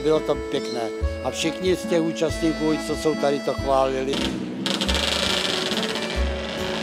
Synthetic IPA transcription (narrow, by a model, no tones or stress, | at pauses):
bɪlot̪opjɛknɛːʔafʃɪxɲɪscɛxuːt͡ʃast̪ɲiːkuːt͡sosowt̪aɾɪt̪o̞xvaːlɪlɪ